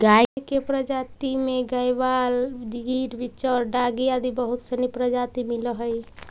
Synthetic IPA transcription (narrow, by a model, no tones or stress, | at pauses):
ɡakepɾəd͡ʒat̪imeɡajbald͡ʒiɡiɾbit͡ʃɔːɾɖaɡiad̪ibəɦut̪sənipɾəd͡ʒat̪imiləɦəj